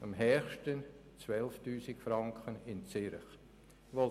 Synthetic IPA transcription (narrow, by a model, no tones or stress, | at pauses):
ɑmɦɛχʃtən | t͡svɛlftyːsɪkfɾɑŋkʰχənɪnt͡sɪɾχ | ʋo